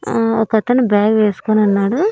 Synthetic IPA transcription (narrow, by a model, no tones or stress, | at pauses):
ɔkːɐt̪ːɐnːubaːɡʋeːskoːnɐnːaːɽu